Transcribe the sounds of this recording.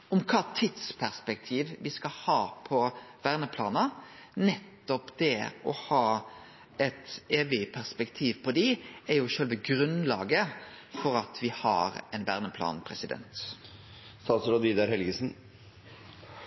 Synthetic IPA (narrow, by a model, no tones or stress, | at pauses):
ɔmkʰɑːt̪ʰɪd̪spʰæʁspɛk̚t̪ʰiːʋʋɪskɑhɑːpʰɔʋæːʁnəpʰlɑːnənɛt̪ːɔpd̪̥ɛɔhɑː | ɛt̪eːʋɪpʰæʁspɛkt̪ʰiːʋpʰɔd̪ɪæjʊʃœlʋəɡɾʉnlɑːɡə | fɔɾɑt̪ʰʋɪhɑ̰ɾɛnʋæ̰ːʁnəpʰlɑ̰ːnpʰɾɛsɪd̪ɛ̰nt̪ | st̪ɑːsəɾɔd̪iːd̪ɑɾhɛlɡəsn̩